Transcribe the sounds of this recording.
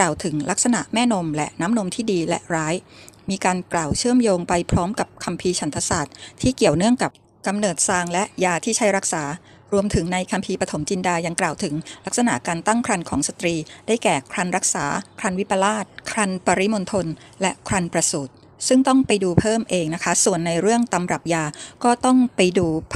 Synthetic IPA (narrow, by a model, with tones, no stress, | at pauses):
klaː˨˩wt̪ʰɯ˩˦ŋla˦˥k̚sa˧na̰˨˩ʔmɛː˥˩no˧mlɛ˦˥ʔnaː˦˥mno˧mt̪ʰiː˥˩diː˧lɛ̰˦˥ʔɾaː˦˥jmiː˧kaː˧nklaː˨˩wt͡ɕʰɯ˥˩əmjoː˧ŋpa˧jpʰɾɔː˦˥mka˨˩p̚kʰa˧mpʰiː˧t͡ɕʰa˩˦nt̪ʰa˧saː˨˩t̪̚t̪ʰːiː˥˩ki˨˩əwnɯ˥˩əŋka˨˩p̚ | ka˧mnɤː˨˩t̪̚saː˧ŋlɛ˦˥ʔjaː˧t̪ʰiː˥˩t͡ɕʰa˦˥jɾa˦˥k̚saː˩˦ | ɾu˧əmt̪ʰɯ˩˦ŋna˧jkʰa˧mpʰiː˧pɾa˧t̪ʰo˩˦mt͡ɕi˧ndaː˧ja˧ŋklaː˨˩wt̪ʰɯ˩˦ŋla˦˥k̚sa˧na̰˨˩ʔkaː˧nt̪a˥˩ŋkʰɾa˧nkʰɔː˩˦ŋsa˧t̪ɾiː˧daː˥˩jkɛː˨˩kʰɾa˧nɾa˦˥k̚saː˩˦kʰɾa˧nwi˦˥pa˧laː˥˩t̪̚kʰɾa˧npa˧ɾi˦˥mo˧nt̪ʰo˧n | lɛ˦˥ʔkʰɾa˧npɾa˧suː˨˩t̪̚ | sɯ˥˩ŋt̪ɔ˥˩ŋpa˧jduː˧pʰɤː˥˩mʔeː˧ŋna˦˥kʰa˦˥su˨˩ənːa˧jɾɯ˥˩əŋt̪a˧mɾa˨˩p̚jaː˧kɔː˥˩t̪ɔ˥˩ŋpa˧jduː˧